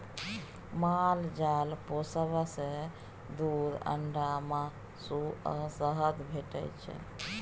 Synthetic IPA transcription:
mald͡ʒalposəβase | d̪ud̪ə̰ɳɖama | suə̰səɦəd̪bʱeʈə̰jt͡ʃʰɛ̰

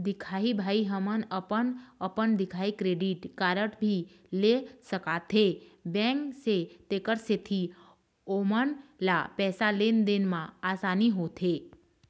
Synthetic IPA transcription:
d̪ikʰaibʱaiɦəmənəpənəpəɳd̪ikʰaikɾeɖiʈkaɾəʈbʱi | lesəkat̪ʰebɛ̃ŋkset̪ekəɾset̪ʰi | omənla̰pɛsalend̪enmãasaniɦot̪ʰe

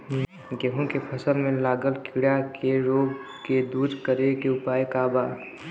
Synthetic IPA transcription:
ɡeɦũkepʰəsəlmẽlaːɡəlkʰɪɽjakeɾoːɡ | ked̪uːɾkəɾekeʊpaːekaːbaː

